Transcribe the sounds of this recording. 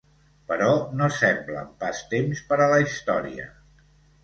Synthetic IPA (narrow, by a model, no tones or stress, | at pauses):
pəɾɔnosɛmblə̰mpast̪emspəɾələist̪ɔɾiə̰